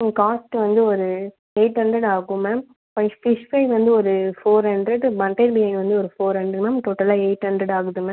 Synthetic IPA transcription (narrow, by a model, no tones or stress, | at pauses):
kaːsʈɯʋɐnd̪ɯɔɾɯ | eːʈɦɐɳɖɾɐɽaːɣɯmːɐ | pɐɪfɪʂpɐɪʋɐnd̪ɯɔɾɯfoːɾɦɐɳɖɾɛɖbɐɳʈːeɪɾbɪjɐnʋɐnd̪ɯɔɾɯfoːɾɦɐɳɖɾɛmɐmt̪oːʈːɐlaːeːʈɐɳɖɾɛɽaːɣɯðɯmːɐ̃